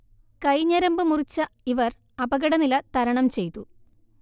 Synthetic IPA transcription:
kɐjɲɐɾɐmbɨmurit͡ɕːɐiʋɐr | ɐbɐɣɐɽɐnilɐt̪ɐɾɐɳɐmt͡ɕe̞jt̪ːu

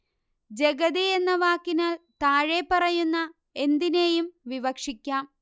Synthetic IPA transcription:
d͡ʑeɡɐðienːɐʋaːkːinaːlt̪aːɻepːɐrɐjunːɐ | e̞nd̪ine̞ːjumʋiʋɐkʂikʲːaːm

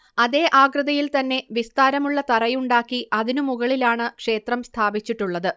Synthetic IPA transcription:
ɐðe̞ːʔaːɡrɨðɐjilt̪ɐnːe̞ʋist̪aːɾɐmuɭːɐt̪ɐrɐjuɳɖaːkːiʔɐðinumuɣɐɭilaːɳɨkʂe̞ːt̪rɐmst̪ʰaːbit͡ɕːiʈːuɭːɐðɨ

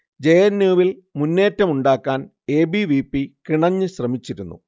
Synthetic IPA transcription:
d͡ʑejɐnːuːʋilmunːe̞ːtːɐmuɳɖaːkːaːn | e̞ːbiʋiːpːikiɳɐɲːɨɕrɐmit͡ɕːiɾunːṵ

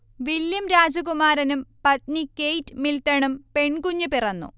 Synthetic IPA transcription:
ʋiljɐmɾaːd͡ʑɐɣumaːɾɐnumpɐt̪̚nikːejtːɨmiltːɐɳumpe̞ɳkuɲːupirɐnːṵ

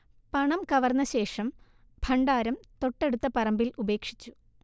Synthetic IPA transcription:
pɐɳɐmkɐʋɐrnːɐɕe̞ːʂɐm | bʱɐɳɖaːɾɐmt̪o̞ʈːe̞ɽut̪ːɐpɐrɐmbilʔube̞ːkʂi̥t͡ɕːu̥

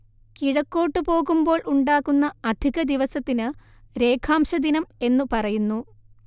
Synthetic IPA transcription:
kiɻɐkːo̞ːʈːɨpo̞ːɣumbo̞ːɭʔuɳɖaːɣːunːɐɐd̪ʱiɣɐd̪iʋɐsɐt̪ːinɨ | ɾe̞ːkʰaːmɕɐd̪inɐme̞nːupɐrɐjunːu

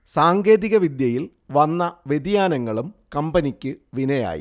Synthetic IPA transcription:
saːŋɡe̞ːðiɣɐʋid̪jɐjil | ʋɐnːɐʋed̪ijaːnɐŋːɐɭumkɐmbɐnikʲːɨʋinɐja̰ːjḭ

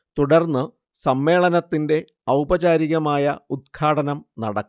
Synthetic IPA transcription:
t̪uɽɐrnːɨ | sɐmːe̞ːɭɐnɐt̪ːinde̞ | ɐwbɐd͡ʑaːɾiɣɐmaːjɐud̪̚ɡʰaːɽɐnɐmnɐɽɐkː

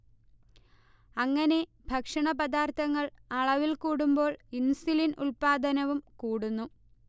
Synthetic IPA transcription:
ɐŋːɐne̞ | bʱɐkʂɐɳɐpɐd̪aːrt̪ʰɐŋːɐɭɐɭɐʋilkuːɽumbo̞ːɭinsilinṵɭpaːd̪ʱɐnɐʋumkuːɽunːu

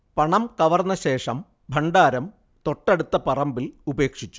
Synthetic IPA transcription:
pɐɳɐmkɐʋɐrnɐɕe̞ːʂɐm | bʱɐɳɖaːɾɐm | t̪o̞ʈːɐɽut̪ːɐpɐrɐmbilube̞ːkʂit͡ɕːu̥

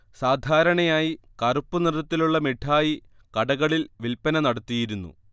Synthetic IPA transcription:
saːd̪ʱaːɾɐɳɐjaːjikɐrupːunirɐt̪ːiluɭːɐmeʈʰːaːji | kɐɽɐɣɐɭilʋilpɐnɐnɐɽɐt̪ːijiɾunːṵ

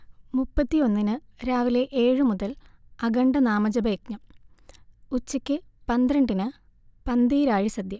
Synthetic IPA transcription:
mupːɐt̪ːio̞nːinɨɾaːʋile̞ʔe̞ːɻɨmuðɐlɐɡɐɳɖɐnaːmɐd͡ʑɐbɐkɲɐ | ut͡ɕːɐkʲːɨpɐnd̪ɾɐɳɖinɨ | pɐnd̪iːɾaːɻisɐd̪jɐ

